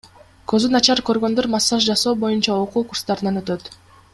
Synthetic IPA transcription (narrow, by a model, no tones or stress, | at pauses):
køzynɑt͡ʃɑɾkø̞ɾɡø̞nd̪øɾmɑsːɑʃd͡ʒɑso̞ːbo̞junt͡ʃɑoquːkurst̪ɑɾɯnɑnø̞t̪ø̞t̪